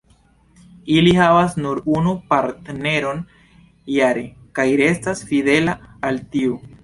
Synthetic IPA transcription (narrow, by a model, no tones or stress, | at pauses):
ilihavasnuɾunupaɾtne̞ɾo̞n | jaɾe̞kajɾe̞stasfide̞laːltiu